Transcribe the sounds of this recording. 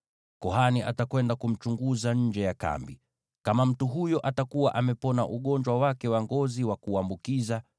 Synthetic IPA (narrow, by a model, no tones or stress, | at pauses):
kɔɦaniʔa̰takwɛndakum̩t͡ʃuŋɡuzaɲ̩d͡ʒɛjaka̰mbi | kamam̩tuɦujɔʔatakuwaʔamɛpɔna̰ʔuɠɔɲd͡ʒwawakɛwaŋɡɔziwakuambukiza